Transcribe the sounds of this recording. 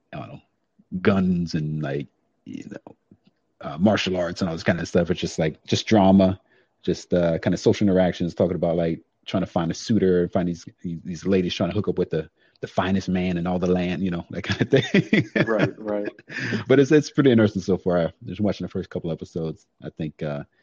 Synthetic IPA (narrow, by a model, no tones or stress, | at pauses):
oʊ̃no̰ʊ | ɡ̥ʌ̃nzɨ̃nlaɪk̚ | jɨ̰no̰ʊ | ʔʌmɑɹʃl̩ˠɑɹtsɨ̃nɔlˠðɪskãɪnɨðstʌfɨtd̥ʒ̥ʌst̚ˡlaɪk̚d̥ʒ̥ʌsd̥ɹɑmə | d̥ʒ̥ʌstʌkʰãɪ̃nɨsoʊʃl̩ˠɪ̃nə˞ækʃɨ̃nz̥tʰɔkɪ̃ŋəbaʊt̚ˡlaɪk̚ | tʰɹ̥aɪ̃ŋtʰəfãɪ̃ndɨsʉɾə˞ɨ̃nfãɪ̃nðiz̥ðiðizleɪɾiz̥tʰɹaɪ̃tʰəɦʊkʌpwɨðɨ | ðɨfãɪ̃nɨst̚mæ̃nɨ̃nɔlˠðəlæ̃ndjɨnoʊðɨ̰t̚kʰãɪ̃ndɨθɪ̃ŋŋɹat̚ɹaɪb̥ʌɾɨtsɪtspʰɹ̥ɪɾiɨ̃nɜ˞sn̩soʊfɑɹʌwɑt͡ʃɪ̃ŋðəfɜ˞skʰʌpl̩ˠvɛpəsoʊdz̥ʔaɪθɪ̃ŋkʌ